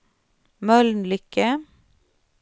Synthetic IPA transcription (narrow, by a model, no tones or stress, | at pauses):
mœlnlʏkə